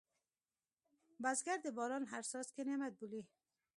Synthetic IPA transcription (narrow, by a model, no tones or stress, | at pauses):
bazɡaɾd̪ɪbɒːɾɔnɦaɾsɔskenemad̪̚buli